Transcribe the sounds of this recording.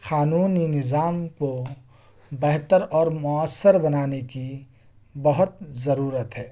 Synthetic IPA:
xaːnuːninɪzaːmko | bɛɦt̪əɾɔːɾmʊəsːəɾbɐnaːneki | bəɦʊt̪̚zəɾuːɾət̪ɦɛː

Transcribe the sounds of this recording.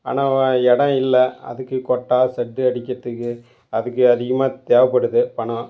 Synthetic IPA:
a̰ːnaːɛɽɐ̃ɪlːɐɐ̰ðɯkːɯkɔʈːaːsɛʈːɯɐɽɪkʲːɪɾɐt̪ːɯkːɯ | ɐðɯk̬ːɯɐðɪɣɐmaːt̪eːʋɐpːɐɽɯðɯpɐɳɐ̃

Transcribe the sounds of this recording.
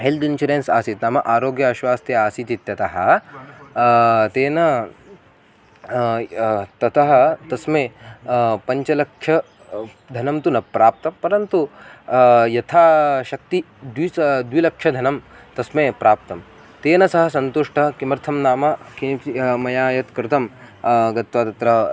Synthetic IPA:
ɦelʈ̪int͡ʃɐɾensa̰ːsit̪naːmɐʔaːɾoːɡjɐaʃʋaːst̪jɐaːsit̪it̪jɐt̪ɐɦɐ | t̪eːnɐ | t̪ɐt̪ɐɦɐ̆t̪ɐsmeː | pɐɲt͡ʃɐlɐkʂʰjɐ | d̪ʱɐnɐmt̪unɐpɾaːp̚t̪ɐmpɐɾɐnt̪u | jɐt̪ʰaːʃɐk̚t̪i | d̪ʋisd̪ʋilɐkʂʃʰjɐd̪ʱɐnɐm | t̪ɐsmeːpɾaːp̚t̪ɐm | t̪eːnɐsɐɦɐsɐnt̪uʂʈɐɦɐkimɐɾt̪ʰɐmnaːmɐkinmɐjaːjɐt̪kɾɪt̪ɐmɡɐt̪ʋaːt̪ɐt̪ɾɐ

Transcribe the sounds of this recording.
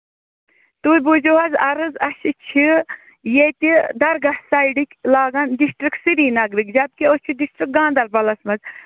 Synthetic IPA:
t̪uːbud͡ʒoɦɐzɐɾɨzɐʃit͡ʃʰi | jet̪id̪ɐɾɡɐhsaiɖikʲlaːɡɐndisʈɾiksiɾiːnɐɡɾikd͡ʒɐb̪̚kiot͡ʃʰid̪isʈɾik̚ɡãːnd̪ɐɾpɐlɐsmɐz

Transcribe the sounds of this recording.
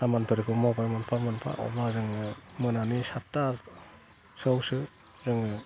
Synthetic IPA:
samanpʰɯɾkʰɯmabajmanpʰamɯnpʰa̰ɔ̰bazɯŋɯmɯnanisatːa | sɯwsɯ | zɯŋɯ

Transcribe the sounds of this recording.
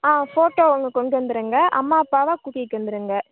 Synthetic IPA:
aːfoːʈoːɔŋɡɐkɔɳɖɯɐnd̪ɯɾɯŋɡɐʔɐ̰mːaːɐpːaːʋaːkuːʈːɪkːʋɐnd̪ɯɾɯŋɡɐ

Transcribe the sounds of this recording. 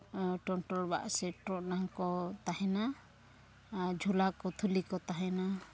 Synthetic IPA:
ʈɔnʈɔlba̰ʔsɛʈɾɔʔnaŋkɔt̪ahɛna | d͡ʒʱulakɔt̪ʰulikɔt̪aɦɛna

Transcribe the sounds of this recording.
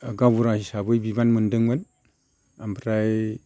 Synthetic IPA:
aɡabuɾahisabəjbibanməndəŋban | ambəɾaj

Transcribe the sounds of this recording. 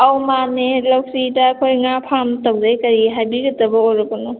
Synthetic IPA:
awmanelawsitakʰojŋapʰamtawdajkɐɾiɦajbiɡɐtɐbɐojɾɔbɔnu

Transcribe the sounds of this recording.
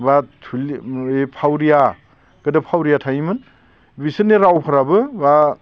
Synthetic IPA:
batʰulepʰawɾija | ɡɯdɐpʰawɾijatʰajimɯn | bisɯnːeɾawpʰaɾabɯba

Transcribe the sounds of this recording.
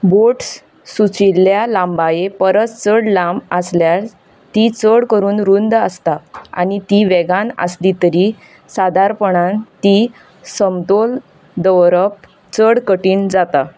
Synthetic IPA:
boʈs | sut͡ɕilːjalãmbajepəɾət͡st͡səɽlaməsljaɾ | t̪it͡səɽkəɾuːnɾund̪əst̪aa̰nit̪iʋɛɡanə̰slit̪əɾi | sad̪ʱaɾpəɳãnt̪i | səmt̪ol | d̪əwɾəp̚ | t͡səɽkəʈiːnd͡zat̪a

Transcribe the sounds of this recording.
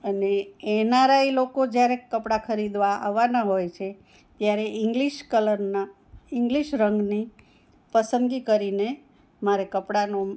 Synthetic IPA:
əneenaɾailokod͡ʒjaɾekəpɽakʰəɾid̪ʋaa̰ʋanaɦojt͡ʃʰe | t̪jaɾeɪŋɡliʃkələɾna | ɪŋɡliʃɾəŋɡni | pəsəmɡikəɾine | maɾekəpɽano

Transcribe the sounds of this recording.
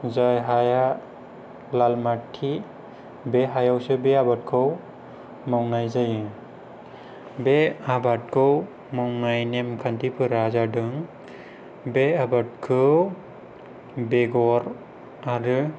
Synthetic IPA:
zajɦaja | lalmatʰːi | beɦajawsɯbeabat̚kʰɯw | mawnajzajɯ | beabat̚kʰɯw | mawnajnemkʰantipʰɯɾazadɯŋ | beabat̚kʰɯ | beɡɔɾ | aɾɯ

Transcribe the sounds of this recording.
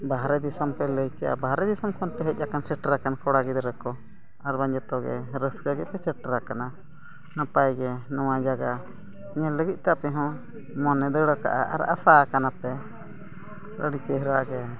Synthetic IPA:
baɦɾɛd̪isampɛləjkea̰baɦɾɛd̪isamkʰɔnpɛɦet͡ʃʲakansəʈɾakankɔɽaɡid̪ɾəkɔ | aɾbaɲd͡ʒet̪ɔɡḛɾəsɡaɡɛpɛt͡ʃəʈɾakana | nãpajɡenɔ̃wãd͡ʒaɡa | ɲɛ̃ləɡiʔt̪apɛɦɔ̃ | mɔnɛ̃d̪əɽaka̰ʔa̰a̰ɾa̰sakanape | ɾə̰ɽit͡ʃeɦɾaɡe

